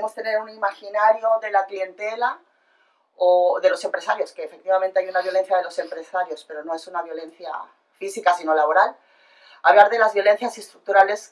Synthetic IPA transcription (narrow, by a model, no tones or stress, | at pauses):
emo̞st̪ene̞ɾunimaxinaɾjo̞ðe̞laklie̞nt̪e̞la | oðe̞lo̞se̞mpɾe̞saɾjo̞skeːfek̚t̪iβament̪eajunaβjo̞len̟θjað̞e̞lo̞se̞mpɾe̞saɾjo̞spe̞ɾo̞no̞e̞sunaβjo̞lẽ̞n̟θja̰ | fisikasino̞laβo̞ɾal | aβlaɾðe̞lazβjo̞le̞n̟θjasest̪ɾuk̚t̪uɾale̞s